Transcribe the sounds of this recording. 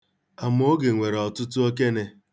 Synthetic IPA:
a˨m˦o˦ɡe˨ŋʷe˨ɾɔ˨tʊ˦tʊ˦o˦k̬e˦ne˨

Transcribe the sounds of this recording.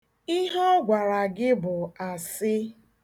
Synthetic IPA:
i˦ɦɔ˦ɡʷa˨ɾa˨ɡɪ˦bʊ˨a˨sɪ˦

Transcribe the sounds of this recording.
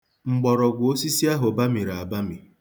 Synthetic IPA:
ŋ͡m̩˨ɡ͡bɔ˨ɾɔ˨ɡʷʊ˨o˦si˦si˦a˦ɦo˨ba˦mi˨ɾa˨a˨ba˦mi˨

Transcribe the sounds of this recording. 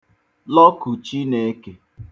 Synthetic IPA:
lɔ˦ku˨t͡ʃi˦ne˨˦ke˨

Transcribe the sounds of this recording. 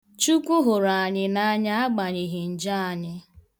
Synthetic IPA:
t͡ʃu˦kʷʊ˦ɦʊ˨ɾa˨a˨ɲɪ˦na˦a˦ɲa˦a˦ɡ͡ba˨ɲɪ˨ɦɪ˨n̩˨d͡ʒa˦a˨ɲɪ˦

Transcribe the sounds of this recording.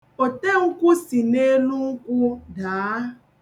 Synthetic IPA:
o˨te˦ŋ̩˦kʷʊ˦si˨ne˦nu˦ŋ̩˦kʷʊ˦daː˨˦

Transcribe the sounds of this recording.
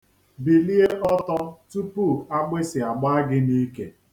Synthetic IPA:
bi˨li˦e˦ʔɔ˦tɔ˦tu˦pu˦˨a˦ɡ͡be˦sɪ˨a˨ɡ͡ba˦a˦ɡɪ˦ni˦ke˦

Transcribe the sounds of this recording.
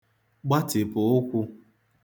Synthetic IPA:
ɡ͡ba˦tɪ˨pʊ˨ʊ˦kʷu˦

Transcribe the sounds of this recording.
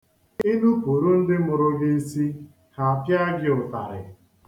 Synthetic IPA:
i˦nu˦ku˨ɾu˦n̩˦dɪ˦mʊ˨ɾʊ˦ɡɪ˦si˦ | ha˨a˨pja˦ɡɪ˦ʊ˨ta̰˨ɾɪ̰˨

